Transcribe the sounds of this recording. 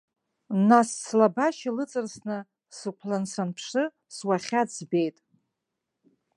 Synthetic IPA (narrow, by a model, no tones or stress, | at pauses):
nasːlabaʃalɨt͡sʼɨrsnɨ | sɨkʷʰlansanpʰʂɨ | swaχʲat͡sbe̞jtʼ